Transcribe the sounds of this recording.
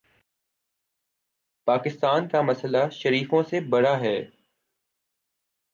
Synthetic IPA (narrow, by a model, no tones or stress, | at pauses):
paːkɪst̪aːnkamɐsəlaʃəɾiːfõsebɐɽaɦɛː